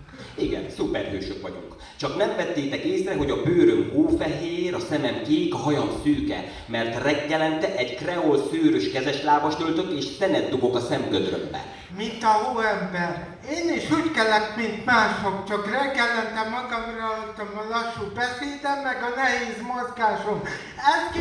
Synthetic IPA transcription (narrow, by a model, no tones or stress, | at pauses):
iɡɛ̰nsupɛ̰rhø̰ːʃøkʋɒɟo̰k | t͡ʃɒknɛɱvɛt̪ːeːt̪ɛkeːsrɛɦo̞ɟɒbøːɾømɦoːfɛɦeːɾɒsɛmɛmkeːkɒɦɒjɒmsyːkɛ̰ | mɛrt̪rɛɡːɛlɛnt̪ɛʔɛɟkrɛolsøːɾøʃkɛzɛʃlaːvɒʃlølt̪øk̪eːʃsɛnɛd̪̚d̪obokɒsɛmɡød̪rø̰mbɛ̰ | mint̪ɒnoɛmbɛr | eːniʃuːckɛlɛk̪mint̪maːʃokt͡ʃɒkrɛɡːɛlɛnt̪ɛmːɒɡɒmrɒot̪ːɒmɒlɒʃːuːbɛseːd̪ɛmːɛɡɒnɛɦeːzmozɡaːʃom | ɛsk